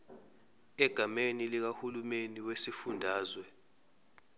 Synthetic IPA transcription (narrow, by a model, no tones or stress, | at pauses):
ɛɡ̥ʱamenilik̬ahulumeniwesifundʱaːzwɛ